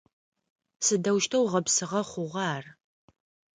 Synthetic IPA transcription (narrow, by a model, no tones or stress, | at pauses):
sɨdɐwʃtʰɐwʁɐpsɨʁɐχʷʊʁʷɑːr